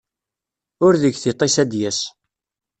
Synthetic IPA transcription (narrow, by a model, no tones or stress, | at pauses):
ʊɾðəɡθit̪ˤːisæd̪jæs